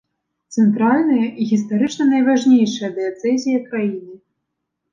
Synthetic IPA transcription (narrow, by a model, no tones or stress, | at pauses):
t̪sɛnt̪ɾalʲnɐjɐʔiɣʲis̬t̪aɾɨt͡ʂnɐnɐjvaʐnʲejʂɐjɐd̪ɛt̪sɛzʲijɐkɾajinɨ